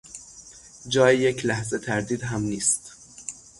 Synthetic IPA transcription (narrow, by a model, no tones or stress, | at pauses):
d͡ʒɒːjejecʰlæhze̞t̪ʰæɾd̪iːd̪ɦæmniːst̪